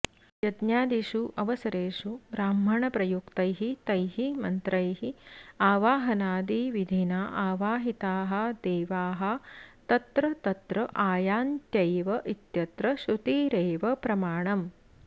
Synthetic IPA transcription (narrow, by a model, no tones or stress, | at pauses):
jɐd̪njaːd̪iʃuʔɐʋɐsɐɾeːʃuɾaːmʱɐɳɐpɾɐjukt̪ɐjɦit̪ɐjɦimɐnt̪ɾɐjɦiaːʋaːɦɐnaːd̪iʋid̪ʱinaːʔaːʋaːɦit̪aːɦɐ̆d̪eːʋaːɦɐ̆t̪ɐt̪ɾɐt̪ɐt̪ɾɐʔaːjaːnt̪jɐjʋɐʔit̪jɐt̪ɾɐʃut̪iːɾeːʋɐpɾɐmaːɳɐm